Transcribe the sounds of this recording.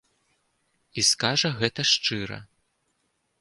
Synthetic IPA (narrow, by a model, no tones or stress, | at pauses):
iskaʐɐɣɛt̪ɐʂt͡ʂɨɾɐ̰